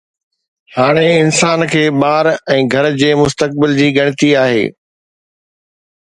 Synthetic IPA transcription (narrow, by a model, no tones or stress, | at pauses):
haːɽ̃eɪnsaːnkʰeːɓaːɾɛ̃ːɡʱɐɾd͡ʑeːmʊst̪ək̚bɪld͡ʑiːɡɐɽ̃ɪt̪iaːɦḛː